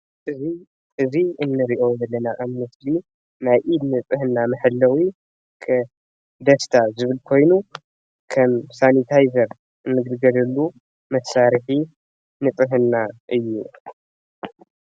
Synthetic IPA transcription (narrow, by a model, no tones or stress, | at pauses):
ʔɨzi | ʔɨziɨnːɨɾiʔo̞jɐlːɐnaʔamnɨsli | najʔid̪nɨt͡sʼɨɦɨnːamɨħɨlːɐwi | kʰɐ | d̪ɐst̪ʰazɨβɨlkʰo̞jnu | kʰɐmsanit̪ʰajzɐɾ | ɨnːɨɡɨd̪ɡɐlɐlːu | mɐsaɾɨħi | nɨt͡sʼɨɦɨnːaʔɨjːṵ